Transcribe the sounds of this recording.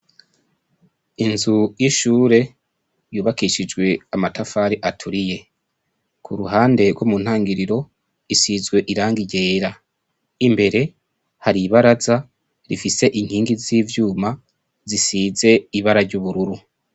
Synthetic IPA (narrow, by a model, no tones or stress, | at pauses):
inzujiʃuːɾe̞ | juːβakiʃid͡ʒɡwe̞amatafaːɾiʔatʰuɾije̞ | kʰuɾuɦaːnde̞ɾɡwomun̥haːŋɡiɾiɾo̞ | isizɡwe̞ʔiɾaːŋɡiɟe̞ːɾa | imbe̞ɾe̞ | haɾiβaɾaza | ɾifise̞ʔiŋhiːŋɡiziːvjuːma | zisiːze̞iβaɾaɾɟuβuɾuɾu